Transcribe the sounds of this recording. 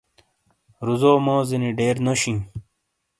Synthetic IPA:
ɾuzoːmoːziniɖeːɾnoɕĩ

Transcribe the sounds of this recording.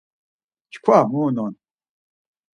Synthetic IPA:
t͡ʃkʷʰamunɔn

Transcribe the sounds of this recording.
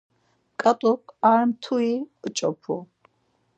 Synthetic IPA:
kʼat̪ʼukʰʼaɾmt̪ʰuit͡ʃʼɔpʰu

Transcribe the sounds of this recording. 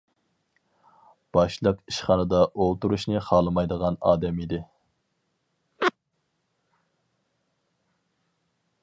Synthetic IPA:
b̥ɑʃlˠəqiʃχɑnɨd̪ɑʔolˠt̪uɾuʃnɨχɑːlˠɨmɑjd̪əʁɑnɑ̰ːd̪ɛmid̪ɪ

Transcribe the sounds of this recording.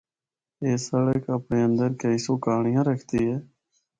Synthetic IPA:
eːsəɽəkəpɳeːə̃nd̪əɾkəiːsoːkaːɳɪjãːɾəkʰt̪iːɦɛː

